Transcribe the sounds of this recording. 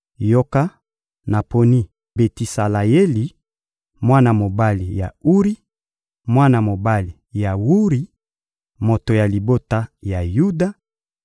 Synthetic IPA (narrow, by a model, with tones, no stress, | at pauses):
jo˦ka˦ | na˨po˨ni˦ | be˨ti˨sa˨la˨je˦li˨ | mwa˦na˨mo˨ba˦li˨ja̰˨u˦ʁi˦ | mwa˦na˨mo˨ba˦li˨ja˨wu˦ʁi˦ | mo˨to˨ja˨li˨bo˦ta˦ja˨ju˦da˦